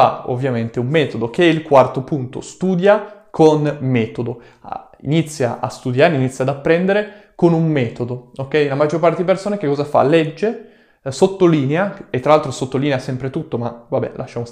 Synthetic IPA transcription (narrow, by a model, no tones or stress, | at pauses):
a̰o̰vːjament̪eumːɛːt̪od̪ok̟eɛilkwart̪opunt̪o̰st̪uːd̪jakʰonmɛːt̪od̪o | ḭnit̪sːja̰ʔa̰st̪ud̪jaːɾeinit̪sːjad̪apːɾɛnd̪eɾe | konummɛːt̪od̪ookːɛjnamad͡ʒːorpaɾrt̪ed̪ipersoːnak̟ekːɔzafa̰lɛd͡ʒːe | sot̪ːoliːneaet̪ːɾalalt̪ɾosot̪ːoliːneasɛmpɾet̪ut̪ːomavabɛ̰lʔa̰ʃːamo